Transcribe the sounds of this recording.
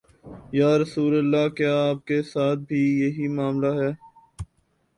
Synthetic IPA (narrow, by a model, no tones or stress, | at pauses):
jaːɾɐsuːləlːakjaːp̚kesaːt̪̚bʱijɐɦimaːmlaɦɛː